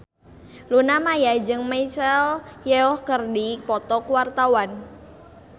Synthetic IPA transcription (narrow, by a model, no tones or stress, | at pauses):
lunamajad͡ʒɨŋmajsəljɛɔhkərdipɔt̪ɔkwart̪awan